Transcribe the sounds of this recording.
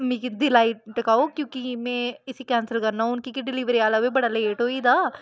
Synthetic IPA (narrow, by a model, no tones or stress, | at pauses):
mĩkid̪ɪlaːiʈəkaːokjõːkimɛ̃ːɪsikɛːnsəlkəɾnaːʊnkikiɖɪliʋɾiaːlaʋebəɽaːleːʈɦoːiːd̪aː